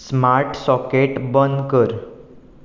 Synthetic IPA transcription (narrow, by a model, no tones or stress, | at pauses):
smaɾʈsɔkeʈbənd̪kəɾ